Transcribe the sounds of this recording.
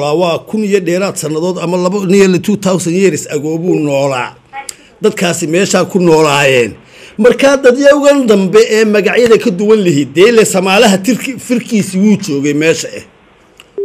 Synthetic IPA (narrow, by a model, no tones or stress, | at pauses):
laːwɑːkʰʊnijɔɖɛːɾaːd̪sɐnːɐðɔːd̪ɐmɐlɐɐnɪjɐlɛt̪ʰut̪ʰawsɐnjɛɾɪsɐɣɔːβuːnɔːla̰ː | d̪ɐd̪kʰaːsɪmɛːʃaːkʰʊnɔːlaːjɛːn | mɐrkʰaːd̪ɐd̪jɐwʊɣɐnd̪ɐmbɛʔɛːmɐɣɑʕjɐðɐkʰɐd̪ʊwɐnlɐɦiːd̪̚d̪ɛːlɛsɐmaːlɐɦɐfɪrkʰiːsiwuːt͡ʃɔːɣɛjmɛːʃɐʔɛ̰h